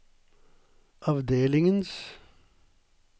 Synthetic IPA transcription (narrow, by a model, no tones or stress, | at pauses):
ʔɑʋd̪eːlɪŋəns